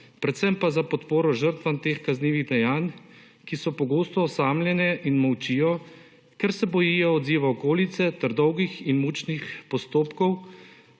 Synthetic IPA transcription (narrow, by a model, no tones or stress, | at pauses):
pɾɛt̪sɛmpazapɔt̪poːɾɔʒəɾt̪ʋant̪eːxkazniːʋiɣd̪ɛjaːn | kisɔpɔɡoːst̪ɔːsaːmljɛnɛʔinmɔwt͡ʃiːjɔ | kɛɾsɛbɔjiːjɔɔd̪ziːʋaɔkoːlit̪sɛt̪ɛɾd̪ɔwɡixinmut͡ʃnixpɔst̪oːpkɔw